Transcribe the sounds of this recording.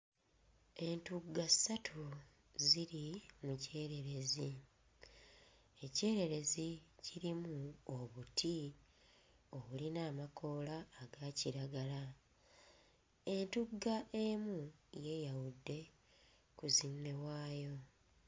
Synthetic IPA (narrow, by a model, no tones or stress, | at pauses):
e̞ntuɡːasatʰu | ziɾimuce̞ːɾe̞ɾe̞zi | ece̞ːɾe̞ɾe̞ziciɾimuoβutʰi | o̞βulinaːmakʰo̞ːlaːɡaːciɾaɡala | e̞ntuɡːaʔe̞muje̞ːjawudːe̞ | kuzinːe̞waːjo̞